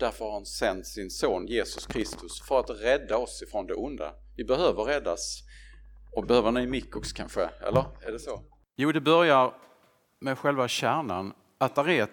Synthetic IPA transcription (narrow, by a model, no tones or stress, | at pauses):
d̪̥æɾfəɾhaɾhansɛnt̪sɪnsoːnjeːsɵskʰɾɪst̪ɵsfœɾat̪ɾɛd̪ːaɔsɪfɾɔnd̪ɛʔʊnd̪a̰ | vɪbɛhøːvəɾɾɛd̪ːas | ɔbɛhøːvəɾnɛmɪkːɔksɔ̥kʰanɧəɛ̰lːəɾæɖɛso | juːd̪ɛbœɾjaɾ | mɛɧɛlvaɕæːɳa̰n | at̪aɾɛ